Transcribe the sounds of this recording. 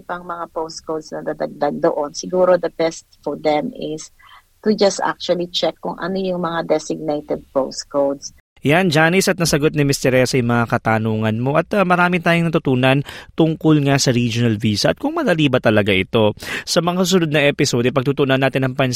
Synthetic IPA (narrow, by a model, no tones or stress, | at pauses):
pɐŋmɐŋapowst̪̚kowd̪snɐd̪ad̪ɐɡ̚d̪aɡ̚d̪oʔonsɪɡuːɾod̪ɐbɛst̪fɔɹd̪ɛmɪs | t̪ud͡ʒɐst̪ʔa̰k̚t͡ʃuɐlit͡ʃɛkːʊŋʔɐ̰nojʊŋmɐŋad̪ɛsɪɡ̚nejt̪ɛd̪̚powst̪kowd̪s | jand͡ʒaːnɪsʔɐt̪̚nɐsɐɡo̞t̪̚nɪmɪst̪ɛɾɛsɐjʊŋmɐŋakɐt̪anuːŋɐnmo̞ʔɐt̪amɐɾaːmɪt̪aːjʊŋnɐt̪ʊt̪uːnɐnt̪ʊŋkolŋasɐɾid͡ʒonɐlviːsɐʔɐt̪̚kʊŋmɐd̪ɐliːbɐt̪ɐlɐɡaʔɪt̪o̞sɐmɐŋasʊs̬ʊnod̪̚nɐŋʔɛpɪsod̪ɛpɐɡ̚t̪uːt̪ʊnɐnːaːt̪ɪnɐŋpɐn